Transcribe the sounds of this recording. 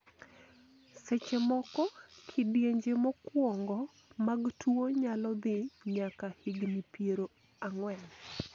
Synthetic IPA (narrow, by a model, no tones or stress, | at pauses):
sɛt͡ʃemɔkɔkʰidjeɲd͡ʒemɔkwɔŋɡɔ | maɡtʰwuoɲalɔd̪ɪɲakahiɡnipjeɾo | aŋwɛn